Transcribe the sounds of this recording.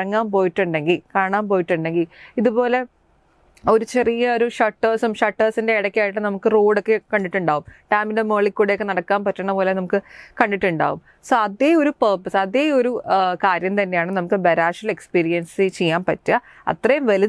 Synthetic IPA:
ɐŋːaːnpoːjiʈːuɳɖe̞ŋɡilkaːɳaːmpo̞ːjiʈːuɳɖe̞ŋɡiliðupo̞ːle̞ | o̞ɾut͡ɕe̞rijɐoɾuʂɐʈːɐːsumʂɐʈːɐːsinde̞ːɽɐkʲːijaːjiʈ̬ːɨnɐmukːɨruːɽokːekɐɳɖiʈːuɳɖaːɣumʈaːminde̞moːɭikːuːɽejokːenɐɽɐkːaːnpɐtːɐɳːɐpo̞ːlenɐmukːɨkɐɳːɖiʈːuɳɖa̰ːɣum | soːɐðeoɾupɐːpːɐsɐðeːoɾukaːɾjɐmt̪ɐnːe̞jaːɳɨnɐmukːɨbɐɾaːʂɐle̞kspiːɾijɐnsɨt͡ɕejːaːnpɐtːɨ | ɐ̰t̪rɐjumʋɐli

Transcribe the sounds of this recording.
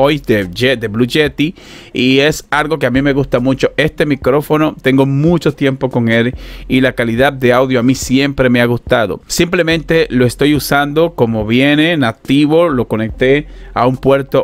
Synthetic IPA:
ojd̪eed̪eβluʝet̪i | ie̞salɣo̞ke̞amime̞ɣ̞ust̪amut͡ʃo̞e̞st̪e̞mikɾo̞fo̞no̞t̪e̞ŋɡo̞mut͡ʃo̞t̪je̞mpo̞ko̞ŋe̞lilakaliðað̚d̪e̞awðjoamisje̞mpɾe̞me̞aɣust̪aðo̞̰simple̞mẽnt̪e̞lo̞est̪o̞jusand̪o̞ko̞mo̞βjene̞nat̪iβo̞lo̞ko̞ne̞k̚t̪e̞a̰umpwe̞ɾt̪o

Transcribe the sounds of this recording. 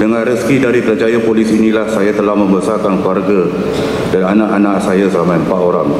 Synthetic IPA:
dəŋãnriskidaɾikəd͡ʒajapolisinĩlahsajat̪əlahmə̃mbəsarkankluarɡa | dananãʔanãʔsajasəɾamajəmpaʔ̪oɾaŋ

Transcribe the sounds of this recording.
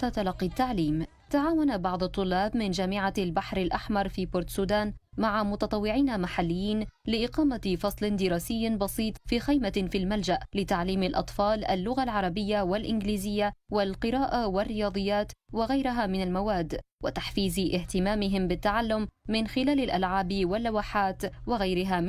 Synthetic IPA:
t̪at̪alɑqːit̪ːaʕliːm | t̪aʕaːwanabɑʕd̪ˤʊt̪ˤːʊlːɑːbmɪnd͡ʒaːmɪʕalbaħɾalʔaħmɑɾˤfiːbʊɾt̪suːd̪aːnmaʕamʊt̪ɑt̪ˤɑwːɪʕiːnamaħalːɪjːiːnlɪʔɪqɑːmafɑsˤlɪnd̪ɪɾɑːsɪjːbɑsˤiːt̪ˤfiːxajmafilmald͡ʒaʔlɪt̪aʕliːmalʔɑ̰t̪ˤfɑːlʔa̰lːʊɣalʕɑɾˤɑbɪjːawalʔɪnɡliːzɪjːawalqɨɾaːʔawarːɪjɑːd̪ˤɨjːaːt̪waɣajɾɪɦamɪnalmawaːd̪ːwa̰t̪aħfiːzʔɪht̪ɪmaːmɪɦɪmbɪt̪ːaʕalːʊmːɪnxɪlaːlalʔalʕaːbwalːawaːħaːt̪wɪɣajɾɪɦaːm

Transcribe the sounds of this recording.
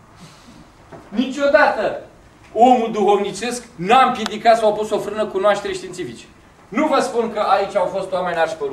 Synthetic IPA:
nit͡ʃʲo̞d̪at̪ə | o̞mud̪uxo̞vnit͡ʃe̞sknampje̞d̪ikat̪sawawpusofɾɨnəkunoaʃt̪e̞ɾʲʃt̪int̪sifit͡ʃe̥ | nuvəspunkəʔait͡ʃʲawfo̞st̪owame̞narʃpeɾ

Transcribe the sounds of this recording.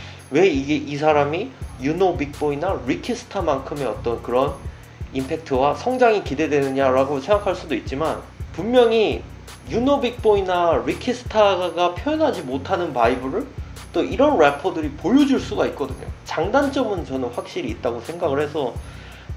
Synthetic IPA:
we̞iɡe̞ʔis̬ʰaɾamijunobik̚p͈oinaɾikʰisʰɯ̥tʰamankʰɯme̞ʌt͈ʌnkɯɾʌn | impʰe̞k̚tʰɯwasʰʌŋd͡ʑaŋikide̞dwe̞nɯɲaɾaɡosʰe̞ŋɡakʰaɭs͈udoit̚t͡ɕ͈iman | pummjʌŋi | junobik̚p͈oinaɾikʰisʰɯ̥tʰaɡapʰjoʌnɦad͡ʑimotʰanɯnpaibɯɾɯɭ | t͈oʔiɾʌnɾepʰʌdɯɾipojʌd͡ʑuɭs͈uɡait̚k͈ʌdɯɲo̰t͡ɕaŋdant͡ɕ͈ʌmɯnt͡ɕʌnɯnɸwak̚ɕ͈iɾiːt̚t͈aɡosʰe̞ŋɡaɡɯɭhe̞sʰʌ

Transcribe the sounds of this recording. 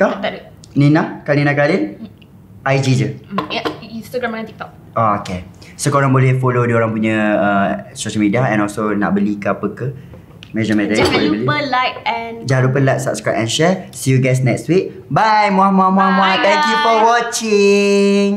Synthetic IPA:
t̪ɔht̪ | ninakalinakalin | ʔajd͡ʒid͡ʒə | inst̪aɡɾɛmɛ̃nt̪ik̚t̪ɔk̚ | ooke | səkoɾaŋbolɛhfolodioɾaŋpuɲə̃əsoʃəlmidiaɛ̰̃nɔlsona̰ʔbəlikəapəkə | med͡ʒamɛdalbəlipəlajt̚ɛnd͡ʒaɾupəlajt̚sa̰p̚skɹap̚ɛnʃɛsojuɡajs̬nɛkswiʔ̚bajmoamoãmamoãt̪ɛ̃ŋkjufɔwɔt͡ʃiŋ

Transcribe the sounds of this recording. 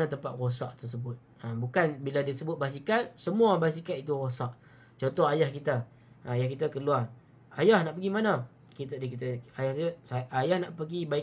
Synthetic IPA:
at̪əmpat̪̚rosaʔt̪ərs̬əbʊt̪̚əbukanbiladiasəbʊt̪̚basikat̪̚səmũabas̬ikat̪it̪uɾosaʔ | t͡ʃɔnt̪ɔɦajahkit̪a | ajahkit̪akəluar | ajahnaʔpəɡimanã | kit̪adikit̪aajahtəsaʔajahnaʔpəɡibai

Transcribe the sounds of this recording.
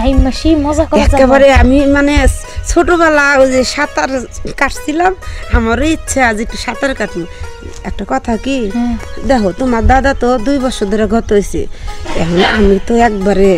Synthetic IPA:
ajmaʃimɔzakɔɛkkebaɾɛamimane | t͡ʃʰoʈobalazesat̪aɾkaʈʰsilamhamaɾoitːʃʰaziʈisat̪aɾkaʈʰniɛk̚ʈakɔt̪ʰakid̪ɛɦot̪ɔmad̪ad̪at̪ɔd̪ujbɔɾsɔd̪ɔɾaɡʱɔt̪ojsḭɛ̰ɦɔnamit̪ɔɛk̚baɾe

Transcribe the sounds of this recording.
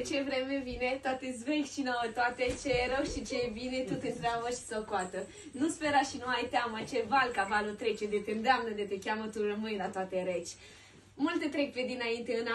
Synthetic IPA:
t͡ʃe̞vɾemevinet̪oat̪ezvejkʲʃinowət̪oat̪et͡ʃeɾoɡʃit͡ʃebinet̪ut̪ent̪ɾeabəʃi̥sokoat̪ə | nuspeɾaʃinuajt̪eamət͡ʃevalkavalot̪ɾe̞t͡ʃed̪et̪end̪eamnəd̪et̪ekʲamət̪urəmɨnjlat̪oat̪eɾet͡ʃʲ | mult̪et̪ɾek̚ped̪inaint̪e̞ɨna

